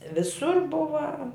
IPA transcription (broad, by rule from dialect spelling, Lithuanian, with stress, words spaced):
ʋʲɪˈsʊr ˈbʊʋɐ